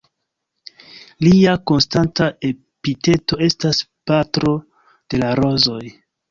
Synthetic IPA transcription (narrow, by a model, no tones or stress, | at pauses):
liako̞nstantae̞ | pite̞to̞e̞staspatɾo̞ | d̥e̞laɾo̞zo̞j